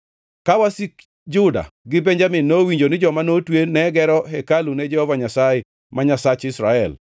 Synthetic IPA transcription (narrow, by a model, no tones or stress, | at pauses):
kawasik | d͡ʒʊda̰ɡɪbɛɲd͡ʒamɪnːowiɲd͡ʒonɪd͡ʒɔmanotwenɛɡɛɾɔɦɛkaluned͡ʒɛhɔvaɲasajɛ | maɲasat͡ʃɪsɾaɛl